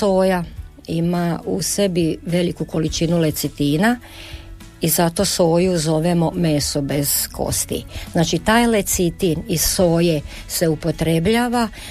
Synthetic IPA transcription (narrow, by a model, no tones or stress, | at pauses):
soːja | imause̞biʋe̞likuko̞lit͡ʃinule̞t̪sit̪iːna | izat̪o̞so̞ːjuzo̞ʋemo̞mesobe̞z̥kʰo̞̰st̪ḭznaːt͡ʃit̪aːjlet̪sit̪iniso̞ːje | se̞upo̞t̪ɾe̞bʎaːʋa